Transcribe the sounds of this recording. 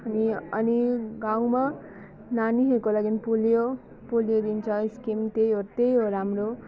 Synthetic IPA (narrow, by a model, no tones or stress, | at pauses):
ʌniʌniɡawma | naniɦeɾukolaɡinpoljo | polijod̪int͡sʰʌiskimt̪ejɦot̪ejɦoɾamro